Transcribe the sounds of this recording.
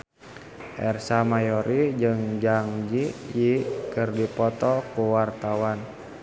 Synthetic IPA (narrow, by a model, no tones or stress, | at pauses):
ʔɛrsamajɔɾʔid͡ʒɨŋd͡ʒaŋd͡ʒijikɨrdipɔt̪ɔkuwart̪awan